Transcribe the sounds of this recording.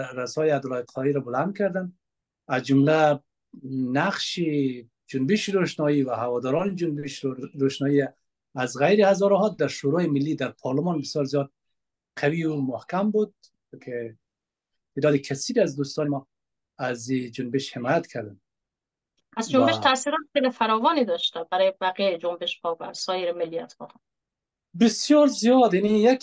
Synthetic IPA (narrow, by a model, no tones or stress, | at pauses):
ɾasɔjɪad̪ʊlɔɪqlɔiɾɔbʊland̪̚kʰaɾd̪an | azd͡ʒʊmla | naqʃi | d͡ʒʊnbɪʃɾoʃnɔiwahawɔd̪ɔɾɔnɪd͡ʒʊnbɪʃɾoʃnɔiaː | zɣajɾɪhazɔɾɔɦɔd̪̚ːaɾʃoɾɔjɪmɪlːid̪aɾpʰɔɾlʊmɔnbɪsjɔɾzijɔd̪̚ | qʰawiʊmʊhkambud̪̚ | kʰe | t̪ʰed̪ɔːd̪ɪkʰasiɾiazd̪ust̪ɑːnemɔ | azid͡ʒʊnbɪʃhemɔːjat̪kʰaɾd̪an | azd͡ʒombeʃt̪ʰasiɾɔt̪χejlifaɾɒːvɒːnid̪ɒʃt̪ɛbæɾɔːjebæɣieed͡ʒombeʃbɒba̰sɔːjeɾemɪlːija̰t̪xɔ̰ː | bɪsjɒɾzijɒd̪janijak